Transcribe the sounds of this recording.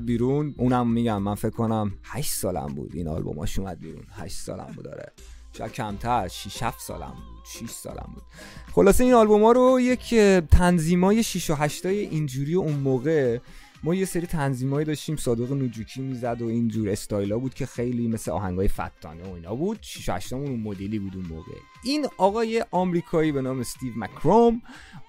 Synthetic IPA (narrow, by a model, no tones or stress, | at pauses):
biːɾunʔunæmːiɟæmːænfekʰkʰːo̞næmhæʃt̪sɒːlæ̰mbṵːd̪ḭnɒ̰lbo̰mɒ̰ʃumæd̪̚bḭːɾṵnhæ̰ʃt̪sɒ̰ːlæ̰mod̪ɒ̰ːɾḛ | ʃæcʰæmt̪ʰæɾʃiʃhæft̪sɒ̰ːlæ̰mbuːd̪̥ʃiʃsɒ̰ːlæ̰mbuːd̪̥ | χolɒːse̞inɒlbo̞mɒːɾoje̞cʰt̪ʰænziːmɒːje̞ʃiʃoɦæʃt̪ɒːjeʔind͡ʒuːɾiːjounmoːɣe̞ | mɒːje̞seɾiːt̪ʰænziːmɒːjid̪ɒːʃt̪iːmsɒːd̪oɣenud͡ʒuːkʰiːmiːzæd̪oind͡ʒuːɾe̞st̪ɒjlɒːbuːd̪̚cʰe̞xe̞jliːmeseɒ̰ːɦæ̰ŋɡɒːje̞fæ̰t̪ʰːɒ̰neoiːnhɒ̰ːbuːd̪̥ʃiʃohæ̰ʃt̪æmunumod̪eliːbuːd̪unmo̰ːɣḛ | ʔiːnɒːɣɒːje̞ʔɒmɾiːkʰɒːiːbe̞nɒːmest̪iːvmækʰɾom